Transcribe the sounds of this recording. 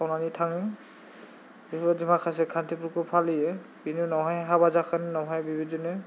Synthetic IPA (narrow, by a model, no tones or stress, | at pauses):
awnanitʰaŋi | bibɔzimakʰas̬ɛkʰantipukupʰalijɛbinunɔɦɔjɦabazakʰaninɔɦɔjbibizɔnɛ